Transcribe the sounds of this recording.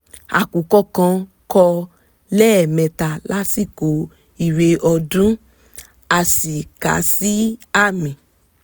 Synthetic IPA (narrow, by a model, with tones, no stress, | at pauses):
a̰˨ku˨kɔ˧kã˧ | kɔ˧ | lɛ˦ɛ˨mɛ̃˨ta˨la˦si˦˨ko˨˦ | i˦˨ɾe˧ʔɔ˧dũ˦ | a˧˨si˨ka̰˨˦si˦a˦˨mĩ˨